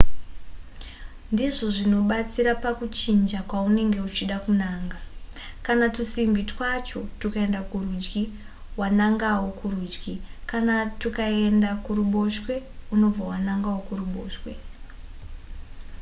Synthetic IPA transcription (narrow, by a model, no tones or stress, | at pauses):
ndiʐo̞ʐino̞ɓat͡siɾapakut͡ʃind͡ʒakwaune̞ŋɡe̞ut͡ʃiɗakunaːŋɡakanatusimbitwat͡ʃo̞tukae̞ndakurud͡ʒɡi | wanaŋɡawokurud͡ʒɡikanatukae̞ndakuɾuɓo̞ʃwe̞uno̞b͡vawanaŋɡawokuruɓo̞̰ːʃwe̞